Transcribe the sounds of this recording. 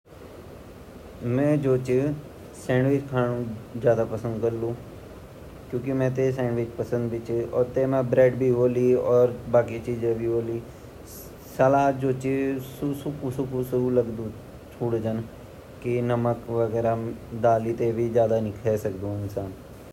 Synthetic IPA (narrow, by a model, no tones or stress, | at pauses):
mɛ̃ːd͡ʒoːt͡ʃɪ | sɛ̃ːɳɖʋɪt͡ʃkʰaːnũd͡ʒjaːd̪apəsə̃nd̪kəɾlũː | kjũːkimɛ̃ːt̪̬esɛ̃ːɳɖʋɪt͡ʃpəsə̃nd̪bit͡ʃɔːɾt̪eːmãːbɾɛːɖbʱiɦoːliːɔːɾbaːkit͡ʃiːd͡ʒẽbʱiːɦoːliː | səlaːd͡ʒoːt͡ʃsusʊkusʊkusəuləɡd̪ũː | t͡ʃʰuːɽd͡ʒən | kinəməkʋəɡɛːɾad̪aːlit̪ebʱid͡ʒjaːd̪anɪkʰɛːsəkd̪ũːɪnsaːn